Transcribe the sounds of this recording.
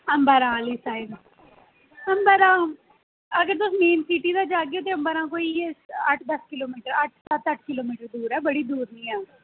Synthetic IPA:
əmbəɾãːliːsaːɪd̪ | əmbəɾãː | əɡəɾt̪ʊsmeːnsiːʈiːd̪aːd͡ʒaːɡeoːt̪̬eːəmbəɾãːkoːiːeːəʈʰd̪əskɪloːmiːʈəɾəʈʰsət̪əʈʰkɪloːmiːʈəɾd̪uːɾɛːbəɽiːd̪uːɾnĩːɛː

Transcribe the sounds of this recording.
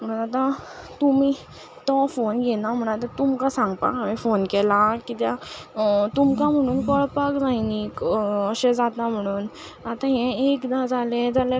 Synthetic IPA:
m̤əɽ̃uːnat̪ã | t̪umiː | t̪ɔfonɡʱɛnam̤əɽ̃at̪ãt̪umkasãŋɡpa̰amifonkɛlakit̪ja | t̪umkam̤əɽ̃uːnkɔɭpakd͡zajnikəɕed͡zat̪am̤əɽ̃uːn | at̪ãɦɛ̃ekd̪ad͡zʱalẽd͡zala

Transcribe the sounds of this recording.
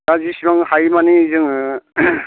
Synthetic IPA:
azisimaŋhajmaniːzɯŋ

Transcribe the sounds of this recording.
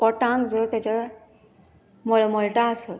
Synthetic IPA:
ɔʈãŋkd͡zəɾt̪jat͡ɕa | məɭməɭʈaəsat̪

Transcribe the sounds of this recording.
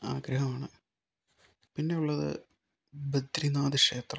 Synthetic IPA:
aːɡɾɐɦɐmaːɳɨ | pinːe̞uɭːɐðɨ̰ | bed̪ɾinaːd̪ɨʂe̞ːt̪rɐ

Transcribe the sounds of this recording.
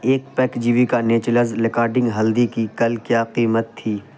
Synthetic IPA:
eːk̚pɛːkd͡ʒiːʋikaneːt͡ʃləzɾɪkaːɾɖɪ̃ŋɡɦɐld̪ikikɐlkjaːqiːmət̪ʰːiː

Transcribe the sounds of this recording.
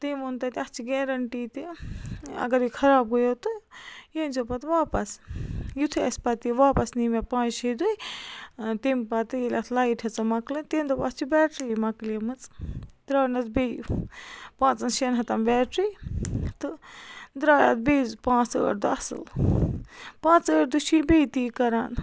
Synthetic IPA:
t̪emont̪ɐt̪iɐst͡ʃʰiɡeːɾɐɳʈiːt̪i | ɐ̰ɡɐɾjikʰɐɾaːb̚ɡojot̪ɨjenzopɐt̪ʋaːpɐsjut̪ʰuɐsʲpɐt̪iʋaːpɐsnimepãːt͡ʃsʰid̪uj | t̪empat̪ɨjelʲat̪ʰlaiʈʰɐt͡sɐmɐklɨnt̪eːnd̪opaɐst͡ʃʰibɛːʈɾijmɐklemɨt͡sd̪ɾaːnɐt͡sbej | pãːt͡sɐnʃenɦɐt̪ɐmbɛːʈɾit̪ɨd̪ɾaːja̰t̪̚bejzpãːt͡sə̰ːɾd̪ɨɐsɨ̰l | pãːt͡səːʈ̚d̪uʃʰibejt̪iːkɐɾaːn

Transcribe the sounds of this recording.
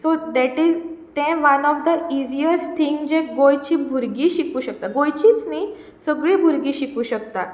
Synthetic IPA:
sod̪ɛʈid͡zt̪ɛ̃ʋanɔfd̪əid͡ʑijəɾst̪ʰiŋɡd͡ʑek̚ɡojt͡ɕiːbʱuɾɡiɕikuːɕək̚t̪aɡojt͡ɕit͡sni | səɡɭiːbʱuɾɡiːɕikuːɕək̚t̪a

